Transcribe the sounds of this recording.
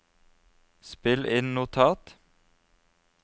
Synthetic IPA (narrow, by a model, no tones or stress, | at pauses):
spɪlʔɪnnʊt̪ʰɑːt̪